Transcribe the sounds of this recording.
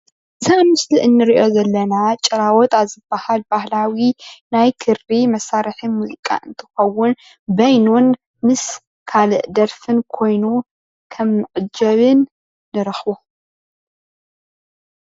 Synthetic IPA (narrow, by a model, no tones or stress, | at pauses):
sʰɐʔmɨsliʔɨnːɨɾiʔo̞zɐlːɐnat͡ʃʼɐɾawɔt̪ʰaβzɨbːahalbahlawinajkʰɨɾimɐsːaɾħimuzikʼa̰ʔɨnt̪ʰɨ̥xɐwːʊn | bɐjnun | mɨs | kʰalɨʔd̪ɐɾfɨnkʰo̞jnu | kʰɐmnɨʔʼɨd͡ʒɐβɨnː | ɨɾɐxbo